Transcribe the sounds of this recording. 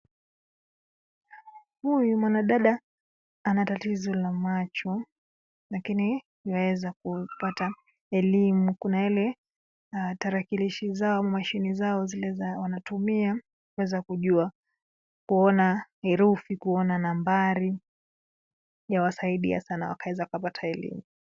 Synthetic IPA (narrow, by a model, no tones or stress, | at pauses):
hujumwanaɗaɗa | anatatizɔlamat͡ʃɔ | lakini | iwawɛzakupata | ɛlimukunailɛ | taɾakiliʃizaɔmamaʃinizaɔzilɛzawanatumia | kuwɛzakuʄua | kuɔnahɛɾufikuɔnanambaɾi | jawasaiɗḭa̰sanawa̰kawɛzakukapatʰaɛlḭmu